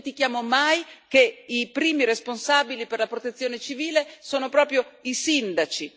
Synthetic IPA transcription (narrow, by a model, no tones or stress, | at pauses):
nt̪ikjaːmomajkeipɾiːmiɾesponsabiliperlapɾot̪et̪sːjoːnet͡ʃiviːlesoːnopɾɔːpɾjoisind̪at͡ʃi